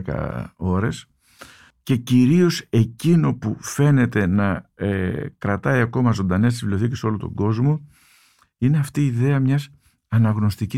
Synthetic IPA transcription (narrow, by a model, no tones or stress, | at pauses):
kɐ̰o̞ɾe̞s | ce̞ciɾio̞se̞cino̞pufe̞ne̞t̪e̞nɐekɾɐt̪ɐiɐko̞mɐzo̞nd̪ɐne̞s̬t̪isvilioθiceso̞lot̪o̞̰ɡo̞zmo̞ | ineɐft̪iːðe̞ɐmɲɐs | ɐnɐɣno̞st̪ici